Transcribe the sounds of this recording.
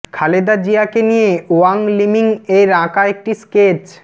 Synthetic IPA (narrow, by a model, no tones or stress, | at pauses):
kʰaled̪ad͡ʑiakenijeoaŋlimiŋeɾãkaek̚ʈisket͡ɕ